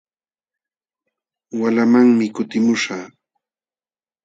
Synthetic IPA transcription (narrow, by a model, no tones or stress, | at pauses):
walamaŋmɪkʊt̪ɪmʊʂaː